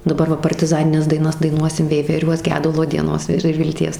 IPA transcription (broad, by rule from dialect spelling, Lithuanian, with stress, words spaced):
dɐˈbɐr ˈʋɐ pɐrʲtʲɪˈzɑːnʲɪnʲɛs dɐɪˈnɐs dɐɪˈnuɔsʲɪm ʋʲɛɪʋʲɛˈrʲuɔs ˈɡʲæːdʊlˠoː dʲiɛˈnoːs ɪr ɪr ʋʲɪlʲˈtʲiɛs